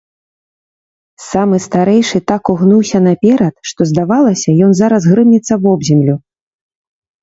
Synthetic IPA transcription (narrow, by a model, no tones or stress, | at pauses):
samɨst̪aɾɛjʂɨt̪akuɣnuwsʲɐnɐpʲɛɾɐt̪ʂt̪ɔzd̪avalˠɐsʲɐjɔnzaɾɐsɣɾɨmnʲit̪sːɐvɔbzʲɛmlʲu